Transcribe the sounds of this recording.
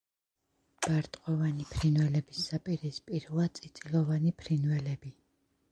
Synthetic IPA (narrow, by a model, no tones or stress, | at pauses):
b̥aɾt̪ʼqʼɔvanipʰɾinvɛlɛbisːapʼiɾispʼiɾlat̪sʼit̪sʼilɔvanipʰɾinvɛlɛbi